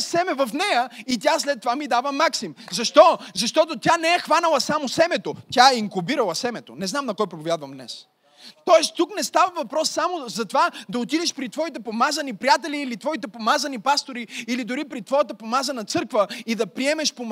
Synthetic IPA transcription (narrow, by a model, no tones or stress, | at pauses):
sɛmɛvɐfnɛjəit̪̬ʲjaslɛt̪ːovamid̪avəmaksimzɐʃt̪ɔzɐʃt̪ɔt̪ot̪janɛɛxvanəlˠɐsamosɛmɛt̪ot̪ʲjaɛiŋkʊbiɾɐlˠɐsɛmɛt̪onɛznamnɐkɔjpɾopovjad̪vɐmd̪nɛ̰s | t̪ɔɛst̪ːuknɛst̪avəvɐpɾɔsːamozɐt̪ovad̪ɐot̪id̪ɛʃpɾit̪vɔit̪ɛpomazɐnipɾijat̪ɛliːlit̪vɔit̪ɛpomazɐnipast̪oɾiilid̪ʊɾipɾit̪vɔjət̪əpomazənɐt̪sɤɾkvəid̪ɐpɾiɛmɛʃpom